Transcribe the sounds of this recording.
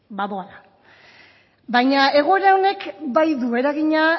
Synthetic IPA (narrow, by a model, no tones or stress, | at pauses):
baβoala | bajɲae̞ɣoe̞ɾao̞ne̞kbajðue̞ɾaɣiɲa